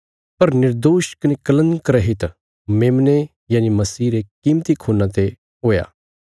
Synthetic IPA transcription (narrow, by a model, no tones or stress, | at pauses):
pɐɾnɪɾd̪oːʃkɐnekɐlə̃nd̪kɐɾɛɦɪt̪ | meːmne | jaːnimɐsiːɾekiːmt̪ikʰoːnãt̪e | ɦoːja̰ː